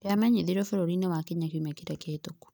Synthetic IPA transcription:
eamaɲeðiɾɔfɛɾoɾinewakeɲakumɛkeɾaketoku̥

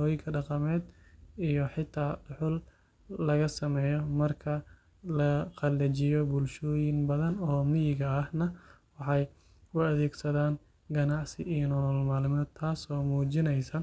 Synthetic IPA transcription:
ɔːjɪŋkʰɐɖɑqɑmɛːd̪ijɔħɪt̪ʰːaːɖʊħʊlː | ɐɣɐsɐmɛːjɔmɐrkʰɐ | lɐqɑlɛt͡ʃɪjɔbʊlʃɔːjɪŋbɐðɐnɔːmɪjɪɣɐːhnɐwɑħɑj | ʊɐðɛːɡsɐðaːn | ɡɐnɑʕsɪ̰ijɔnɔlmaːlɪmɔːd̪̚t̪ʰaːsɔːmuːt͡ʃɪnɛjsɐ

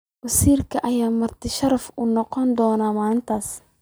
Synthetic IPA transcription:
wɐsiːrkʰɐʔɐjaːmɐrt̪ʰɪʃɐɾɐfuːnɔqɔnd̪ɔːnaːmaːnɪnt̪ʰaːs

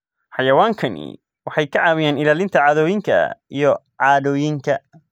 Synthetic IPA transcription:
ħɑjɐwaːŋkʰɐnɪ̰ | wɑħɑjkʰɐʕɑːwɪjaːnɪlaːlɪnt̪ʰɐʕɑːðɔːjɪŋkʰɐ̰ijɔ | ʕɑːðɔːjɪŋkʰɐ

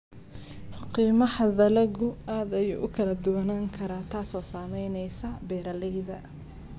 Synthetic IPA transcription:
qiːmɐħɐðɐlɐɣʊaːd̪ɐjṵːʔʊkʰɐlɐd̪ʊwɐnaːŋkʰɐɾaːt̪ʰaːsɔːsaːmɛjnɛjsɐbɛːɾɐlɛjðɐ

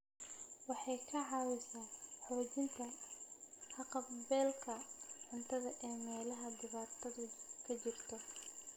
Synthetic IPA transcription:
wɑħɑjkʰɐʕɑwɪsaːħɔːt͡ʃɪnt̪ʰɐ | ħɑqɑbɛːlkʰɐħʊnt̪ʰɐðɐʔɛːmɛːlɐɦɐd̪ɪβaːt̪ʰɐðʊkʰɐt͡ʃɪrt̪ʰɔ

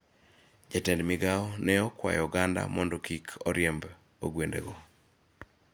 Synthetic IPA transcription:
d͡ʒatɛndmɪɡaɔnɛɔkwa̰jɔɡanda̰mɔndɔkikʰɔɾjemb | oɡwendḛɡɔ

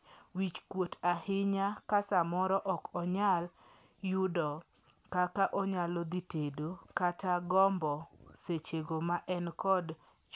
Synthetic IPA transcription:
wit͡ʃkwotahɪɲakasamɔɾɔʔɔkɔɲal | jʊdɔ | kakaʔɔɲalɔd̪itedokataɡɔmbɔset͡ʃeɡomaʔɛnkɔd | t͡ʃ

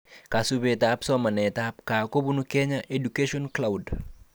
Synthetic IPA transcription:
kasubetapsɔmɐnɛt̪ap̚kakobunukɛɲaʔedukeʃɔnklawd

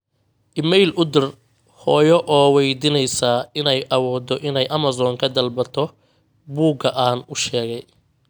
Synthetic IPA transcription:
ʔɪmɛjlʊd̪ɪr | hɔːjɔʔɔːwɛjd̪ɪnɛjsɐɪnɛjʔɐwɔːd̪ɔʔɪnɛjʔɐmɐzɔːŋkʰɐd̪ɐlbɐt̪ʰɔ | buːɡɐʔaːnʊʃɛːɣɛj

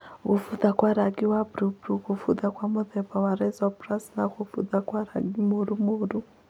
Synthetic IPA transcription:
kufuðakwaɾaɡiwabɾubɾukufuðakwamuðɛbawaɾɛzɔprasnakufuðakwaɾaɡimoɾumoɾu

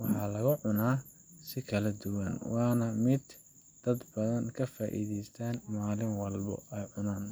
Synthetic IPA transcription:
wɑħɑlɐɣʊʕʊnaː | sɪkʰɐlɐd̪ʊwɐnwɑːnɐmɪd̪ | d̪̥ɐd̪bɐðɐnkʰɐfaːʔḭːðɛjst̪ʰaːnmaːlɪŋwɑlbɔ̰ɛjʕʊnaːn

